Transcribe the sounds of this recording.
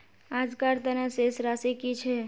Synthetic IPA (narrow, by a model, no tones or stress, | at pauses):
ad͡ʒkaɾt̪ənasesɾasikit͡ʃʰɛ